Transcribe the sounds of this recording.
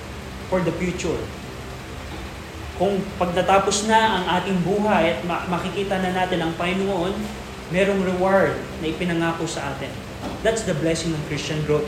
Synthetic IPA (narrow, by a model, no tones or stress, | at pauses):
foɹd̪ɐfjuːt͡ʃʊɹ | kʊŋpɐɡ̚nɐt̪aːposnɐʔɐŋʔaːt̪ɪŋbuːɦɐjɐt̪̚mɐmɐkɪkiːt̪ɐnɐnaːt̪ɪnɐŋpaɪnoŋɐʔo̞n | mɛːɾo̞ŋɾɛwaɹd̪̚nɐʔɪpɪnɐŋaːkosɐʔaːt̪ɪn | d̪at̪sd̪ɐblɛsɪŋnɐŋkɾist͡ʃɐnɡɹot̪